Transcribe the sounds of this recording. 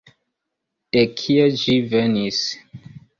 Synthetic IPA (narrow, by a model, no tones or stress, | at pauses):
d̥ekʰied͡ʒivenis